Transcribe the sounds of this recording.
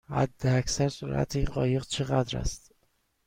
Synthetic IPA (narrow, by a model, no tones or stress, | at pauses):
hæ̰d̪ːeæcʰsæɾsuɾʔæ̰t̪ʰinɢɒːje̞ɣt͡ʃʰe̞ɣæd̪ɾæ̰st̪